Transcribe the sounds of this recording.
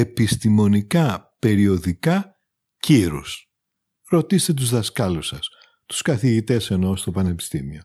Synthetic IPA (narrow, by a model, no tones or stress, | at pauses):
e̞pist̪imo̞nikɐpe̞ɾio̞ðikɐ | ciɾṵs | ɾo̞t̪iset̪e̞t̪uzðɐskɐlusɐs | t̪u̥skɐθiʝit̪e̞se̞no̞st̪o̞pɐne̞pi̥st̪imio̞